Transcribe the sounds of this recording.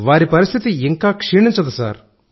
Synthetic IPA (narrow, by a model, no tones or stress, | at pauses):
ʋaːɾipɐɾist̪ʰit̪iiŋkaːkʂiːɳiɲt͡ʃɐd̪usa̰ːɾ